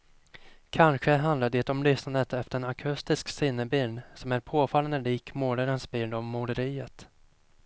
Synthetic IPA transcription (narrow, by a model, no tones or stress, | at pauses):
kʰanɧəɦand̪laɖ̪eːt̪ɔmlʏsnad̪ət̪ɛft̪əɾɛnakʰɵst̪ɪsksɪnːəbɪlnsɔmæɾpʰoːfalːənd̪əliːkmoːɖəɾənsbɪnɔvmʊɖəɾiːət̪